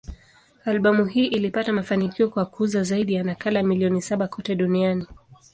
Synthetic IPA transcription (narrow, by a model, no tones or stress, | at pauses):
alɓamuɦiːʔilipatamafanikiɔkwakʰuzazaiɗijanakalamiliɔnisaɓakʰɔtɛɗuniani